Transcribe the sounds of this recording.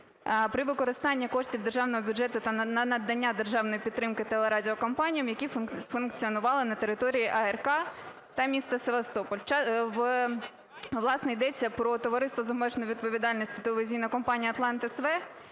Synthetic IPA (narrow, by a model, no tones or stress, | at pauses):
pɾɪʋɪkɔɾɪst̪ɑnʲːɐkɔʂtʲiwd̪e̞rʒɑwnɔɦɔbʲudd͡ʒɛt̪ʊt̪ɐnɐnɐd̪ːɐnʲːad̪erʒɑwnɔjipʲid̪t̪ːɾɪmkɪt̪ɛlˠeɾɑdʲiɔkɔmpɑnʲijɐmjɐkʲifʊnkt͡sʲiɔnʊʋɑlˠɪnɐt̪eɾɪt̪ɔɾʲijiʔɐɛrkɑ | t̪ɐmʲist̪ɐseʋɐst̪ɔpɔlʲt͡ʃɑʋ | ʋlˠɑsnɔid̪ɛt͡sʲːɐpɾɔt̪ɔʋɐɾɪst̪ʋɔzɐmɛʒnɔjʋʲid̪̚pɔʋʲid̪ɑlʲnʲisʲtʲi̥t̪eleʋʲɪzʲijnɐkɔmpɑnʲijɐt̪lˠɑnt̪ɪsʋɛ